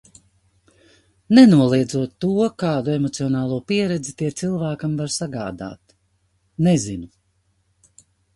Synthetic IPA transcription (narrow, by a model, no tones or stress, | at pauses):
nenuɔlˠiɛd̪zuɔt̪ːuɔkaːd̪uemɔt̪siɔnaːlˠuɔpiɛɾɛd̪zit̪iɛt̪silˠvæːkamvaɾsaɡa̰ːd̪a̰ːt̪ | nezinu